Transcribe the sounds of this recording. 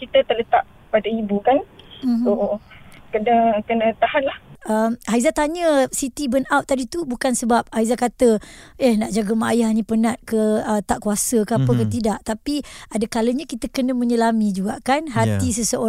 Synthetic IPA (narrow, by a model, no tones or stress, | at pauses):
kit̪ət̪ələt̪aʔ | padaibukanoʔokənəkənə̃t̪ahanlahəmɦaizat̪aɲəsit̪ibənawt̪t̪ːadit̪ubukansəbap̚haizakat̪əehnaʔd͡ʒaɡəmajahanĩpənat̪̚kəət̪aʔkuasəkəapəkət̪̬idaʔt̪apiadəkaləɲãkit̪əkənə̃mə̃ɲəlamid͡ʒuɡaʔkanɦat̪is̬əsəʔo